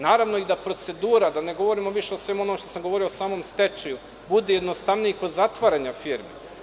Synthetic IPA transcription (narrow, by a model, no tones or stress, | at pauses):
naːɾaʋno̞id̪apɾo̞t̪se̞d̪uːɾad̪ane̞ɡo̞ʋo̞ɾimo̞ʋiʃe̞osʋe̞muo̞nomʃt̪osamɡoʋo̞ɾio̞saːmo̞mst̪e̞t͡ʃeju | bud̪ejed̪nost̪aʋnijaiko̞d̪zat̪ʋaɾaɲafiːɾme